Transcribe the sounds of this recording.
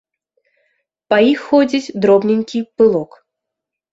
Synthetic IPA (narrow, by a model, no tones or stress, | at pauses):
pɐjixːɔd͡zʲit͡sʲd̪ɾɔbnʲenʲkʲipɨlˠɔk